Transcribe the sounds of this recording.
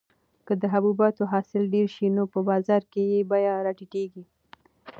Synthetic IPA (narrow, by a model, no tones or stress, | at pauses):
kəd̪əɦabubɑt̪oɦɑsɪlɖeɾʃinopəbɑzɑɾkejebɑjaɾɑʈiʈeɡi